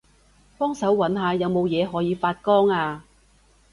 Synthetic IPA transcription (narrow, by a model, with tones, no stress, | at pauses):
pɔː˥ŋsɐ˨˥wwɐ˨˥nɦaː˨˧jɐ˨˧wmo˨˧wjɛː˨˧ɦɔː˨˥jiː˨˧faː˧t̚kɔː˥ŋaː˧